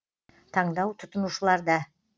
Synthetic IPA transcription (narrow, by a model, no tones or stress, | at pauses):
t̪ʰɑɴd̪ɑwt̪ʰʊt̪ənuʃəlˠɑɾd̪ɑ